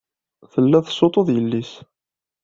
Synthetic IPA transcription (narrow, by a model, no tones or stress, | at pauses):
θəlːæθsot̪ˤoðˤjəlːis